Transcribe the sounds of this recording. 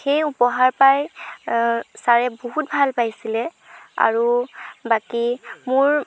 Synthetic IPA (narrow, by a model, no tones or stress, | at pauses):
xejupɔɦaɹpaj | saɹɛboɦut̚bʱalpajsilɛ | a̰ɹubakimʊɹ